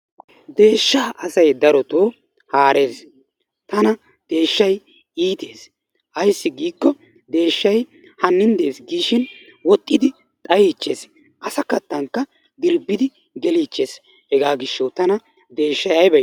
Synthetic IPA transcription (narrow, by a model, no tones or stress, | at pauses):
d̪e̞ːʃːaːʔɐsɐjd̪ɐɾɔt̪oː | haːɾe̞ːs | t̪ɐnɐ | d̪̥e̞ːʃːɐj | iːt̪e̞ːs | hɐjsːɪɡiːkːɔ | d̪e̞ːʃːɐj | hɐnːɪnd̪e̞ːsɡiːʃɪn | wɔt̪ʼːɪd̪ɪ | t̪ʼɐjiːt͡ʃːe̞ːs | ʔɐsɐkɐt̪ːɐŋkːɐ | ɡ̪ɪɾbːɪd̪ɪ | ɡɛliːt͡ʃːe̞ːs | hɛɡaːɡɪʃːɐwt̪ɐnɐ | d̪e̞ːʃːɐjɐjbɐ